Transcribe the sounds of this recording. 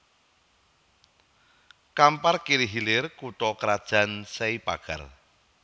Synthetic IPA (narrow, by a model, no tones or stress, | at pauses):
kamparkiɾiɦilɪrkut̪ɔkəɾad̥ʒ̥a̤nseipaɡ̥a̰l